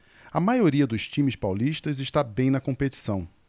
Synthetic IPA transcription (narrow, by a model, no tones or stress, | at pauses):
ɐmajoɾiɐd̪ʊst͡ʃĩmɪspawliʃt̪ɐzɪʃt̪abẽj̃nɐkõpet͡ʃi̥sɐ̃w̃